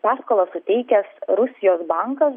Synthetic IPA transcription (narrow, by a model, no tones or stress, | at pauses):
pɑːskoːlˠɐsʊt̪ʲɛɪkʲɛsɾʊsʲɪjoːsbɐŋkɐs